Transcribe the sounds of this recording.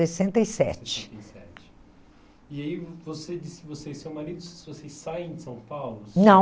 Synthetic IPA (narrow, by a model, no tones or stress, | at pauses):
esẽnt̪ɐjsɛ̰t͡ʃt͡ʃɪ̥sɛt͡ʃɪ̥ | iaivosed͡ʒisɪ̥ɪvosesẽw̃manid̪ʊssɪvosejsajẽsɐ̃w̃pawlʊnɐ̃